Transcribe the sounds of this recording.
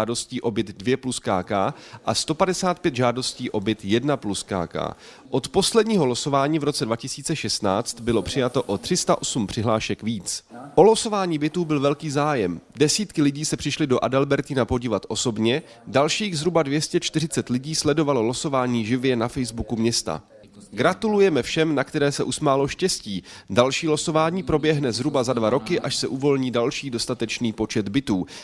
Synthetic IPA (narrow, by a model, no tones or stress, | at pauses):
do̞sciːʔo̞bjɪd̪dvjɛpluskaːkaːʔast̪o̞padɛsaːt̪̚pjɛt̪ʒaːdo̞sciːʔo̞bɪt̪jɛdnapluska̰ːka̰ː | ʔot̪po̞slɛdɲiːɦo̞loso̞vaːɲiːvɾo̞t͡sɛdvacɪsi̥ːt͡sɛʃɛst̪naːt͡st̪bɪlo̞pr̝̥ɪjat̪o̞ʔot̪r̥ɪst̪aʔo̞sumpr̝̥ɪɦlaːʃɛkviːt͡sʔo̞loso̞vaːɲiːbɪt̪uːbɪlvɛlkiːzaːjɛmdɛsiːt̪kɪlɪɟiːsɛpr̝̥ɪʃlɪdo̞ʔadɛlbɛɾt̪iːnapo̞ɟiːvat̪ʔo̞so̞bɲɛ | dalʃiːɣzɦɾubadvjɛscɛt͡ʃt̪ɪr̝ɪt͡sɛt̪lɪɟiːslɛdo̞valoloso̞vaːɲiːʒɪvjɛnafɛjzbukumɲɛst̪a̰ | ɡɾat̪ulujɛmɛfʃɛmnakt̪ɛɾɛːsɛʔusmaːlo̞ʃcɛsciːdalʃiːloso̞vaːɲiːpɾo̞bjɛɦnɛzɦɾubazadvaɾo̞kɪʔaʃsɛʔuvo̞lɲiːdalʃiːdo̞st̪at̪ɛt͡ʃniːpo̞t͡ʃɛd̪bɪt̪uː